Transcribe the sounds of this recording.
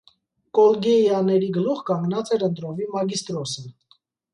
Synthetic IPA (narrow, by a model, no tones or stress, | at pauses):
kɔlɡɛɑnɛɾiɡəluʁkɑŋɡnɑt͡sɛɾənt̪ɾɔvimɑɡist̪ɾɔsə